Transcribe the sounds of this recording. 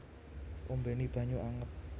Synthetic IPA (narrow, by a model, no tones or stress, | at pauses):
ʔumbenib̥ä̤ɲuʔaŋəp̚